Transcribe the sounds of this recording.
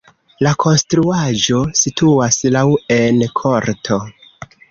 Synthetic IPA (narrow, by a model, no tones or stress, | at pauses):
lakʰo̞nstɾuaʒo̞sitʰuaslawe̞nkʰo̞ɾtʰo̞